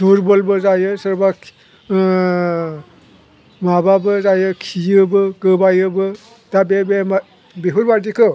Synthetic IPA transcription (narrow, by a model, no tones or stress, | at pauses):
d̥uɾbɔlbɯzajɯsɯɾba | mababɯzajɯkʰijɯbɯɡɯbajɯbɯ | d̥abebema | beɦuɾbaɾdikʰɯ